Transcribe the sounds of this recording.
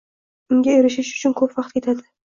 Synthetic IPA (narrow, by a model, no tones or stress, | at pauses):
ʊŋɡʲaeɾɪʃɪʃʊ̥t͡ʃʰʊnkʰɵpvɑqt̪̚kʲʰe̞t̪ʰad̪ɪ